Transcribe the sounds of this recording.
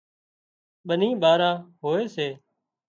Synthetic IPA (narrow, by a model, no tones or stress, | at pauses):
ɓənĩːɓaːɾãːɦoːeːseː